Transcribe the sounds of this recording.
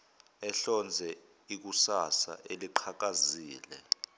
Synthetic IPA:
ɛɬɔnd͡zʱɛ | ik̬usasa̰ʔeliǃʰak̬aziːlɛ

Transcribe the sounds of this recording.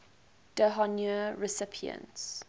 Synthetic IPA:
d̥əɦɔnuɹɪsɪpʰiə̰̃nts

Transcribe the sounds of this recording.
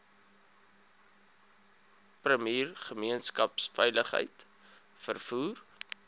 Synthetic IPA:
prəmiːrχəmiənskɐpsfɛjləχɦə̰jtfərfuːr

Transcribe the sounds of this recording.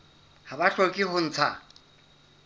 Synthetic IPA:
habaɬokiɦʊn̩t͡sʰa

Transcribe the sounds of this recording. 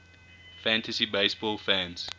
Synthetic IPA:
fæ̃ntʰəsibeɪsbɔlˠfæ̃nz̥

